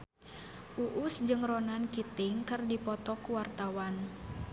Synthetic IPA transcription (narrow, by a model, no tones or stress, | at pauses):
ʔuʔusd͡ʒɨŋrɔnankit̪ɪŋkɨrdipɔt̪ɔkuwart̪awan